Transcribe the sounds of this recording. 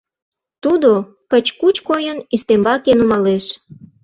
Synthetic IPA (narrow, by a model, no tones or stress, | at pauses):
t̪ud̪o | kət͡ɕkut͡ɕkojənyst̪embɑkenumɑleʃ